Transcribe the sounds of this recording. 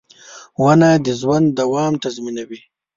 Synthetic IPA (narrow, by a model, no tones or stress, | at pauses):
wanad̪əzwand̪d̪awɑːmt̪azminawi